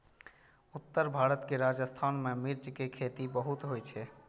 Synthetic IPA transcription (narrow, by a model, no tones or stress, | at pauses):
ut̪ːəɾbʱaɾət̪keɾad͡ʒəst̪ʰanmemiɾt͡ʃkekʰet̪ibəɦut̪ɦojt͡ʃʰɛ